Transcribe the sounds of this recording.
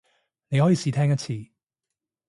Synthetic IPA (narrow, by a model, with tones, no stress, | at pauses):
ne˧jhɔː˨˥jiː˨˧siː˨˧t̪ʰɛː˥ŋjɐ˥t̚t͡sʰiː˨˩